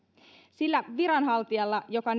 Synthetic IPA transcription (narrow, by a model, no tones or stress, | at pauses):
silːæʋiɾɑnɦɑlt̪iɑlːɑjo̞kɑn